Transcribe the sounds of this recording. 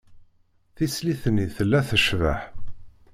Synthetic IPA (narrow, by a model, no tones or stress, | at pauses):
θisliθniθəlːæθəʃvəħ